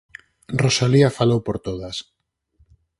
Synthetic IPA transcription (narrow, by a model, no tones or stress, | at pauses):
rosaliafalowpoɾt̪oðas